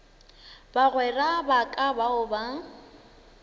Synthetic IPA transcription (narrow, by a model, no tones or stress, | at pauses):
baɣwɛrabakʼabaʊba